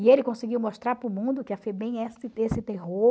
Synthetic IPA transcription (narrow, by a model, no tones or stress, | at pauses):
ɪelɪkõsɪɡiwmoʃt̪ɾaɾpɾʊmũd̪ʊkɪɐfɛbẽj̃ɛsɪesɪt̪eɦo